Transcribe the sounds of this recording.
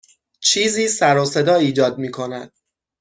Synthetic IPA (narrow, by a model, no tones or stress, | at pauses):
t͡ʃʰiːziːsæɾoːse̞d̪ɒːiːd͡ʒɒːd̪̚miːkʰo̞næ̰d̪̥̚